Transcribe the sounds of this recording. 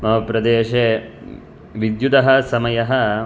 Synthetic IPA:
mɐɦɐpɾɐd̪eːʃeː | ʋid̪jud̪ɐɦɐ̆sɐmɐjɐɦɐ̆

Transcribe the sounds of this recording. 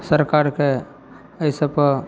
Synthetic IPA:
səɾkaɾke | əɪsəpə

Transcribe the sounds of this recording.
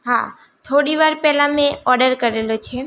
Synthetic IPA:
ɦa̰ | t̪ʰoɽiʋaɾpɛlameɔɾɖəɾkəɾelot͡ʃʰe

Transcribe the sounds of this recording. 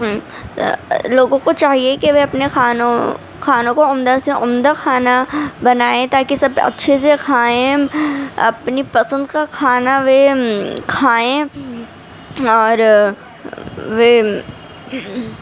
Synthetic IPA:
loːɡõkot͡ʃaːɦiekeʋeɐpnexaːnõ | kʰaːnõkoʊmd̪aseʔʊmd̪axʰaːnabɐnaːẽt̪aːkesɐbɐ̰tːʃʰes̬ekʰaːẽ | ɐ̰pnipɐsə̃nd̪kakʰaːnaʋekʰaːẽ | ɔːɾ | ʋe

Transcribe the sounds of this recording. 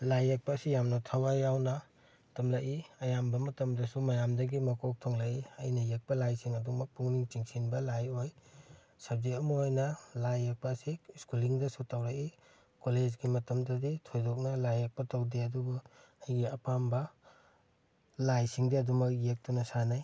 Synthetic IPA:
lajːek̚paːsijamnɐtʰawajawnɐ | tɐmlɐʔiɐjambɐmɐtɐmdɐsumɐjamdɐɡimɐkʰok̚tʰoŋlaʔiɐjnɐjek̚pɐlajsiŋɐdumɐk̚puŋniŋt͡ʃiŋsinbɐlajoj | sɐb̚zeɐmɐojnɐlajːek̚pɐːsiskuliŋdɐsutʰawɾaki | koled͡ʒɡimɐtɐmdɐditʰojdɔk̚nɐlajːek̚pɐtɐwdeɐdubu | ajɡiɐpambɐ | lajsiŋdiɐdumɐk̚jek̚tunɐsanaj

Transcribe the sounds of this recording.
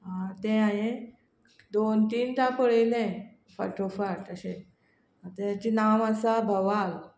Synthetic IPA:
ɦãt̪ɛ̃ajẽ | d̪ont̪iːnt̪apəɽelɛ̃ | fə̰ʈofaɾʈəɕẽ | at̪ẽt͡ɕinaməsabʱəʋal

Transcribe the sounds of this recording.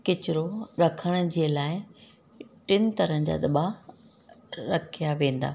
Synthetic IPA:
kɪt͡ɕɪɾoɾɐkʰəɽ̃̆d͡ʑiːəlaːɪ | ʈɪnɪ̆t̪ɐɾə̃d͡ʑa̰ːd̪ɐɓa | ɾɐkʰijaʋẽːnd̪a̰ː

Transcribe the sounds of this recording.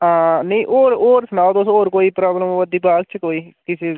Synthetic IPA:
ãːnɐ̃ĩʔoːɾoːɾsʊnaːd̪oːsõoːɾkoːiːpɾaːbləmoːʋəd̪iːpaːɡ̚t͡ʃʰkoːiːkɪse

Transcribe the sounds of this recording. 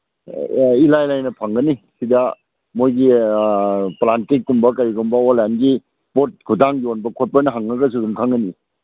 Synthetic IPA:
ilajlajnɐpʰaŋɡɐnisida | mojɡi | plantikːumbɐkɐɾiɡɔmbɐolanɡi | pot̚ɡʰudaŋjonbɐkʰɔt̚pajnɐɦaŋːɐɡɐs̬udumkʰaŋɡɐni

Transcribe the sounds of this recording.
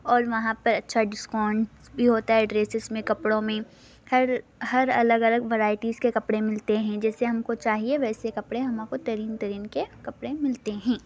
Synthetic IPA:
ɔːɾʋɐɦãpɐɾɐtːʃʰaɖɪskɔːɳɖ | bʱiɦoːt̪aɦɛɖɾeːsɪzmẽkɐpɽõmẽ | hɐɾhɐɾɐləɡɐləɡʋɐɾaːɪʈiːzkekɐpɽemɪlt̪eɦɛ̃d͡ʒɛːseɦɐmkot͡ʃaːɦieʋɛːsekɐpɽeɦɐmãkot̪ɐɾiːnt̪ɐɾiːnkekɐpɽemɪlt̪eɦɛ̃ː

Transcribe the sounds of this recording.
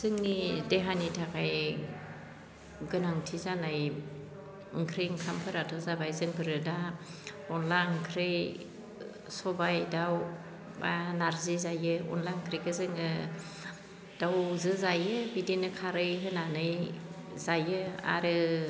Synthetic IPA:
z̥ɯŋnideɦanitʰakaj | ɡɯnaŋtʰizanaj | ɯŋkʰɾeŋkʰampʰɯɾatʰɔzabajzɯŋbʰɯɾɯda | ɔnlaŋkʰɾej | sɔbajdaw | banaɾzizajɯɔ̰nlaŋkʰɾiɡɯzɯŋɯ | d̥awzɯzajɯbidenɯkʰaɾɯjɦɯnanɯjzajɯa̰ɾɯ

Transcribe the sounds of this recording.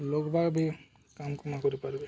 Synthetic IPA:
lokbʱaɡbʱi | kamkumakoɾipaɾbe

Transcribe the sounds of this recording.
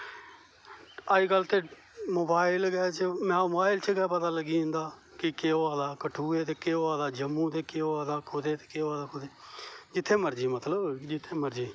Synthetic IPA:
əd͡ʒkəlt̪eː | moːbaːɪlɡɛːt͡ʃmɛ̃ːobaːɪlt͡ʃəɡɛːpət̪aːləɡiːʊ̃nd̪aː | kɪkeːoaːd̪aːkəʈʰuːeːt̪eːkeːoaːd̪aːd͡ʒəmːũːt̪eːkeːoaːd̪aːkʰʊd̪eːt̪e̥ːkeːoaːd̪aːkʰʊd̪eːd͡ʒɪt̪ʰːeːməɾd͡ʒiːmət̪ləbd͡ʒɪt̪ʰːeːməɾd͡ʒiː

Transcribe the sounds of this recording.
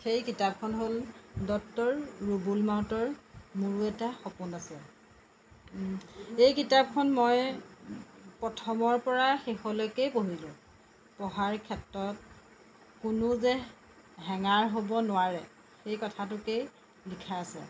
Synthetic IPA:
xejkitap̚kʰɔnɦoldɔk̚tɔɹːubulmawtɔɹmuɹuɛtaxɔpunasɛ | ejkitap̚kʰɔnmɔj | pɔtʰɔmɔɹpɔɹaxexɔlojkejpoɦilʊ̃ | pɔɦaɹkʰɛtːɹɔt̚ | kʊnʊzɛ | ɦɛŋaɹɦobɔnʊwaɹɛ | xejkɔtʰatʊkej | likʰaːsɛ̰

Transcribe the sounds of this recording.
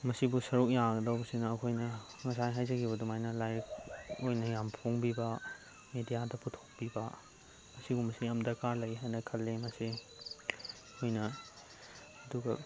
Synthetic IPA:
mɐsibusɐɾuk̚jaɡɐdɐwbɐsinɐːkʰojnɐŋɐs̬ajɦajd͡ʒɐkʰibɐdumajnɐlajɾkojnɐjampʰoŋbibɐ | medijadɐpʰutʰo̥k̚bibɐ | mɐsibumɐsiɐmdɐɾkaɾlɐjɦajnɐkʰɐlːemɐsi | kʰojnɐ | ɐduɡɐ

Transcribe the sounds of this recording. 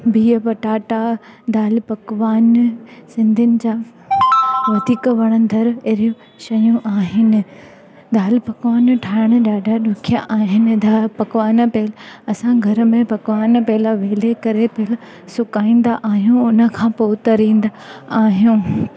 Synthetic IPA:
biːəpɐʈaːʈad̪aːlpɐkʋaːnsɪ̃nd̪ʱɪnɪ̆d͡ʑaː | ʋɐd̪ʱiːkʋɐɽ̃ə̃nd̪ʱɐɾeɾijũ | ʃɐjũʔaːɦɪnɪ̆ | d̪aːlpɐkʋaːnʈʰaːɪɽ̃əɗaːɖʱaɗʊkʰijaʔaːɦɪnɪ̆d̪apɐkʋaːnpeːlɐsãɡʱɐɾəmẽpɐkʋaːnpɛɦɪlaʋeːlekɐɾepeːl | sʊkaːĩːn̆d̪aʔaːɦijũʊnə̆kʰãːpoːt̪ɐɾĩːn̆d̪aaːɦijũ

